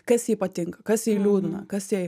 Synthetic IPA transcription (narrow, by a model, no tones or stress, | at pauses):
kɐsjiːpɐt̪ʲɪŋkɐkɐsjiːlʲuːd̪ʊnɐ̰kɐsji